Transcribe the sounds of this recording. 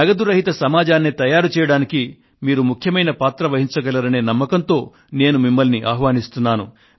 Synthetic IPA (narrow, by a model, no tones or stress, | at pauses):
nɐɡɐd̪uɾɐɦit̪ɐsɐmaːd͡ʒaːnːit̪ɐjaːɾut͡ʃɛːjɐɽaːniki | miːɾumukʰjɐmɐjnɐpaːt̪ɾɐʋɐɦiɲt͡ʃɐɡɐlɐɾɐne̞ːnɐmːɐkɐnt̪o̞ː | ne̞ːnumimːɐlniʔaːɦʋaːnist̪unːaːnu